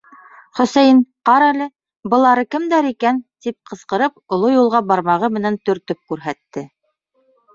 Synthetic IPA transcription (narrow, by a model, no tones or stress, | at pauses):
χɵ̆sæjnqɑɾælɘ | bɤ̆lˠɑɾɤkɘ̆md̪æɾikænt̪ip̚qɤ̆sqɤ̆ɾɤpŏlˠojulˠʁɑbɑɾmɑʁɤmɘ̆nænt̪ɵ̆ɾt̪ɵp̚kʉɾɦæt̪ːɘ